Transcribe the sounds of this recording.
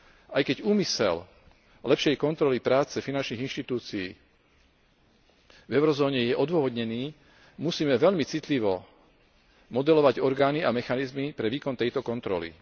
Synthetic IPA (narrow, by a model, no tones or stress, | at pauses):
ʔajkɛɟuːmisɛ̰l | lɛpʃɪɛjkɔnt̪ɾɔlipɾaːt͡sɛfinant͡ʃniːɣinʃt̪it̪uːt͡sijḭː | vɛʊɾɔzɔːɲɛjɛʔɔd̪ʋɔɦɔd̪ɲɛniː | musiːmɛʋɛʎmit͡sit̪liʋɔ | mɔd̪ɛlɔʋaɟɔɾɡaːniamɛxanizmipɾɛʋiːkɔnt̪ɛjt̪ɔkɔnt̪ɾɔ̰lḭ